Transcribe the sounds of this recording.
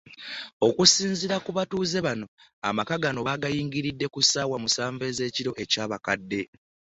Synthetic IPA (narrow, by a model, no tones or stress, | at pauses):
o̞kusiːnziɾakuβatuːze̞βano̞a̰makaɡano̞βaɡajiːŋɡiɾidːe̞kusaːwamusaːɱve̞ze̞ːciɾo̞ʔe̞caːβakadːe̞